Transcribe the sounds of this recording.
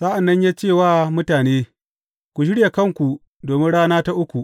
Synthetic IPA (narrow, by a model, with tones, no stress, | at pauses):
sa˦ʔa˨nːɐ˦ɲjaː˦t͡ʃeː˦˨waː˦mʊ˦taː˨neː˦ | kʷu˨ʃ̬ɪ˦ɽja˨kɐ˦ŋkʷu˨ | doː˨mɪ˦nɽaː˦naː˦ta˦ʔʊ˦kʷu˨ʔ